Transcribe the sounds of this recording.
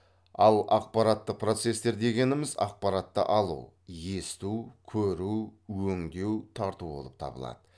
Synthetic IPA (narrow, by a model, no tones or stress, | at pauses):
ɑlˠɑq̚pɑɾɑt̪ːəq̚pʰro̞t̪se̞st̪e̞ɾd̪e̞ɡʲe̞nɪmɪzɑ̰q̚pɑɾɑt̪ːə̰ʔɑlˠṵw | je̞st̪uwkʲʰɵɾuwwɵŋd̪e̞wt̪ʰɑɾt̪uwbo̞̰lˠəp̚t̪ʰɑ̰bə̰lˠɑ̰d̪̥ə